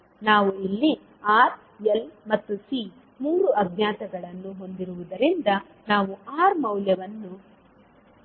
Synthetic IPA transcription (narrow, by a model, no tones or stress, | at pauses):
naːʋuilːi | aːɾ | elmɐt̪ːusi | muːɾuʔɐd̪jaːt̪ɐɡɐɭɐnːuɦo̞nd̪iɾuʋud̪ɐɾind̪ɐ | naːʋuaːɾmɐwljɐʋɐnːu